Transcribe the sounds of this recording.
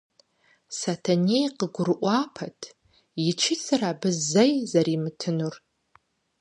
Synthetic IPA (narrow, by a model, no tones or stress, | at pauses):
satʰanejqəɡʷʊrʔʷapʰatʰ | it͡ʃʰɪt͡sʰaraːbɨzːajzaɾimtʰɨnur